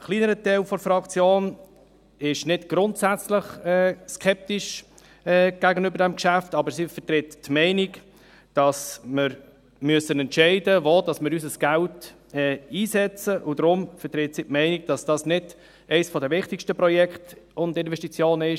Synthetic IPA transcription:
χliːnəɾətɛɪlfɔɾfɾɑkt͡sjoːn | ɪʃnɪdɡ̥ɾʊntsæt͡sləχɛːskʰɛp̚tɪʃ | ɛːɡ̥æɡənʏbəɾdɛmkʃæftɑbəɾsifətɾɪttmɛɪnik | d̥ɑsmɪɾ | myəsənɛntʃɛɪdəvoːdɑsmɪɾysəsɡ̥ælt | ɛiːsɛt͡səʔʊdɾʊmfətɾɪtsitmɛɪnik̚d̥ɑsd̥ɑsnɪd̥ | ʔɛɪsfɔdəvɪχtɪkʃtəpɾɔjɛktʊndɪnvɛʃtit͡sjoːnɪʃ

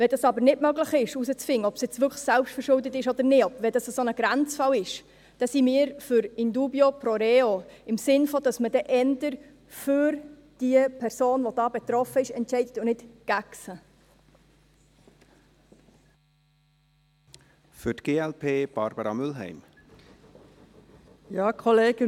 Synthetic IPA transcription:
ʋɛdɑsɑbəɾnɪdmœɡləχɪʃusət͡sfɪŋːəɔbsɛt͡sʋʏksælpʃtfəɾʃʊld̪ət̪ɪʃɔd̥̪əɾnɪɔbvɛdɑsəsonəɡɾænt͡sfɑwɪʃ | d̥ɛsimiːɾfʏɾɪnd̪uːbjopɾɔɾɛoɪmsɪnfɔd̥̪ɑsməd̥ɛʔɛnd̪əɾ | fʏɾ | d̥iəpʰɛɾsoːnʋod̥ɑːbɛt̪ɾɔfəɪʃɛntt͡ʃɛɪdət̪ʊnɪtɡ̥æksə | fʏtɡ̥eːɛlpʰeːb̥ɑɾb̥əɾɑmʏlɦɛ̰ɪm | jɑːkʰɔleːɡ̥ə

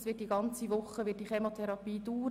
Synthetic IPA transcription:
sʋɪtdiɡɑnt͡siʋʊχːəʋɪt̚d̥iːχemot̪ʰɛɾɑpiːduːɾ

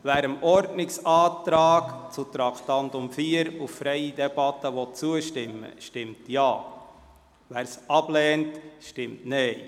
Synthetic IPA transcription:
væːɾəmɔɾdnɪksɑːt̪ɾɑːkt͡sut̪ɾɑktɑntʊmfiːəɾuffɾɛjidɛb̥ɑtːəʋɔt̚t͡suəʃtɪmːə̰ʃtɪmtjɑː | væːɾsɑb̥lɛːntʃtɪmtnɛɪ

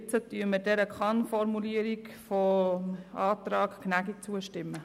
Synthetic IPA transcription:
t͡sətyəmədɛɾəkʰɑnfɔɾmuliəɾikfo | ɑːtɾɑːkknæɡik̚t͡suəʃtɪmːə

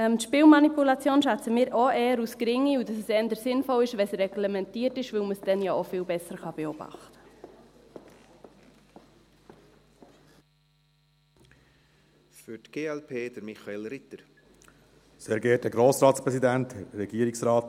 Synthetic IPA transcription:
ɛmtʃpiːlmɑnipulɑt͡sjoːnʃæt͡səmiːɾoʔɛːəɾuskɾɪŋːiudɑsɛsɛndəɾsɪnfɔlɪʃʋɛsɾɛɡlɛmɛntiːəɾtɪʃʋɵlməsd̥ɛnjɑofɪːlbɛsəɾχɑb̥eɔb̥ɑ̰χtə̥ | fʏtɡ̥eːɛlpʰeːd̥əɾmɪχɑelɾɪtəɾ | seːɾɡɛːt̚dəɡɾoːsɾɑːtspɾɛsidæntɛɾɛɡiːəɾiksɾɑːt̪

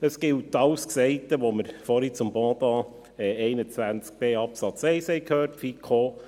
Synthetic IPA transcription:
əsɡ̥ɪltɑwsksɛɪtəʋoməɾfɔɾit͡sʊmbɔ̃ːd̪ɑː | ɛɛɪnət͡svænt͡sk̚b̥eːɑpsɑt͡sɛɪshɛɪkʰhøːrtfikʰoː

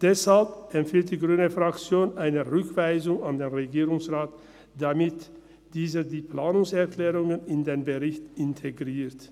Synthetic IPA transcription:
d̥ɛshalpɛmfiːlt̚d̥iːɡʁyːnəfʁ̥akt͡sjoːnʔaɪnəʁʏkv̥aɪzʊŋandeːnʁeɡiːʁʊŋsʁaːt | d̥amɪt | d̥iːzədiːpl̥aːnʊŋsɛɐkl̥ɛːʁʊŋənɪndeːnbəʁɪçtɪntʰeɡʁiːt

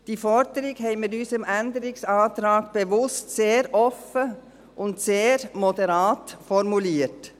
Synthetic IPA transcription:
d̥iːfɔɾd̥əɾɪɡhɛɪmɪdyːsəmɛndəɾɪksɑːtɾɑːɡb̥əvʊstseːɾʔɔfə | ʔʊntseːɾmɔdəɾɑːtfɔɾmuliːət

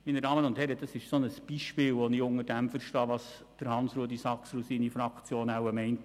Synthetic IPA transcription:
minədɑːmənʊndthɛɾəd̥ɑsɪʃsonəsb̥iʃpɪːlʋɔniʊŋəɾdæmfəɾʃtɑːʋɑs | d̥əɾhɑnsɾuːdisɑksɾusiːnifɾɑkt͡sjoːnawəmɛɪnt

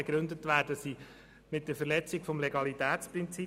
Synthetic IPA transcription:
ɡɾɵnd̪ətʋæːɾdəsi | mɪt̚d̥̪əɾfəɾlɛt͡sɪɡfɔmleɡɑlit̪æːtt͡spɾɪnt͡si

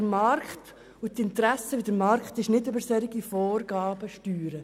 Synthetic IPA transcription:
dəɾmɑrkχt | utɪnt̪ɾæsəʋidəɾmɑɾkχtɪʃnɪdøbəɾsɛɾiɡifɔːrɡɑːbəʃtyːɾə

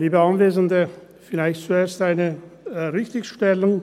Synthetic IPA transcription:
liːbəɑnveːzən̩də | fɪlaɪçtt͡sueːɐstaɪnəʁɪçtɪçʃtɛlʊŋ

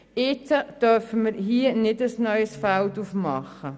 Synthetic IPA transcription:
ɪt͡səd̥œɾfəməɾɦiənɪdəsnœʏəsfæltufmɑχːə

